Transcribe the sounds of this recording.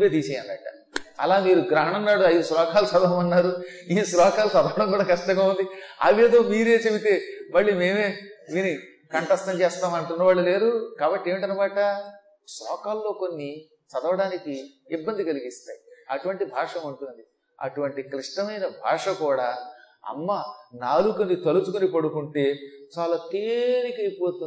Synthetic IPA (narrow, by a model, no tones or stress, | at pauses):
beːd̪iːsejɐnd̪ɐʈːɐ | ɐ̰laːmiːɾuɡɾɐɦɐɳɐmnaːɽuɐjd̪uslɔːkaːlusɐd̪ɐʋɐmɐnːaːɾuiːslɔːkaːlusɐd̪ɐʋɐɽɐŋkuːɽaːkɐʂʈɐŋɡɐund̪iɐ̰ʋe̞ːd̪o̞ːmiːɾe̞ːt͡ʃe̞bit̪e̞ːmɐɭːiːme̞ːme̞ːʋiːni | kɐɳʈɐst̪ɐɲt͡ʃeːst̪aːmɐɳʈunːɐʋaːɭːule̞ːɾukaːbɐʈːieːʋɳʈɐnɐbaːʈɐ | sɾɔ̰ːkaːlːo̞ːko̞nːi | t͡ʃɐd̪ɐʋɐɽaːnikiː | bːɐnd̪ikɐliɡist̪aːjiɐʈuʋɐɳʈibʱaːʂɐmuɳʈund̪i | ɐ̰ʈuʋɐɳʈikɾiʂʈɐmɐjnɐbʱa̰ːʂɐkuːɽaːɐ̰mːanaːlukunit̪ɐlut͡ʃukunipɐɽukuɳʈe̞ːt͡ʃaːlaːt̪eːɾikɐjpo̞ːt̪u